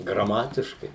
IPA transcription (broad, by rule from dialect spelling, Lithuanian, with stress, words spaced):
ɡrɐˈmɑːtʲɪʃkɐɪ